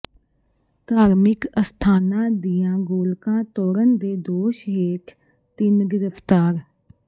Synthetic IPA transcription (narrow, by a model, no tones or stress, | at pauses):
t̪aːɾmɪkəst̪ʰaːnãːd̪ijãːɡoːlkãːt̪oːɾənd̪eːd̪oːʃɦeːʈʰ | t̪ɪnɡɪɾəpʰt̪aːɾ